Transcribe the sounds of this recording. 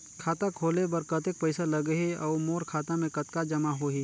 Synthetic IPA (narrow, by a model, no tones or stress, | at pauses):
kʰaːt̪akʰoːlebɐɾkɐt̪ek̚pɛɪsalɐɡɦeɔːmoːɾkʰaːt̪ãmẽkɐt̪kad͡ʒɐmaɦoːɦiː